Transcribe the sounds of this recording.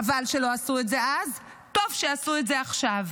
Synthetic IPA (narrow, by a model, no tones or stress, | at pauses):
valʃelo̞asuetze̞az | to̞vʃeasuetzeaχʃav